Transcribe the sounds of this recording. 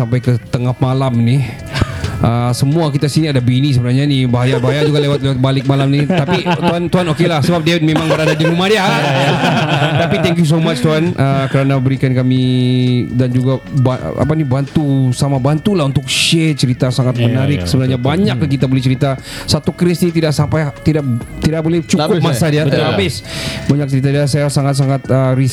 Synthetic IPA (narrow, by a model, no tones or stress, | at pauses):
sampajkət̪əŋahmalamni | ʔəsəmuakit̪asiniadabinis̬əbənarɲanibaɦajabaɦajad͡ʒuɡalewat̪̚lewat̪̚balɪk̚malamnit̪apit̪oant̪oɦanokelahsəbap̚dewit̪̚memaŋbəɾadad͡ʒəmimadia | t̪apit̪ɛŋkjus̬omat͡ʃt̪oɦanʔəkəɾanabəɾikankami | dand͡ʒuɡaba̰a̰panibant̪usamabant̪ulahunt̪ʊk̚ʃɛt͡ʃəɾit̪asaŋat̪̚mənaɾɪk̚səbənarɲabaɲak̚kit̪abolɛht͡ʃəɾit̪a | sat̪ukɾɪsnit̪idaksampajt̪idak̚t̪idakbolɛht͡ʃukʊmasadiaabɪsbaɲak̚t͡ʃəɾit̪adiasajasaŋat̪̚saŋat̪̚əɾis